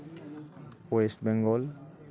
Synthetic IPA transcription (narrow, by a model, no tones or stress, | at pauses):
wesʈbɛŋɡɔl